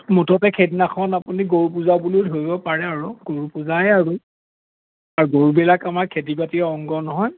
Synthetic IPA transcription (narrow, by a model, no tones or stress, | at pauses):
mutʰɔtɛkʰedinaxʰɔnapuniɡoɹupuzabulutɦojbɔpaɹɛaɹuɡoɹupuzajaɹu | aɹuɡoɹubɛlakamaɹkʰedibatiɛɔŋɡɔnɔɦɔj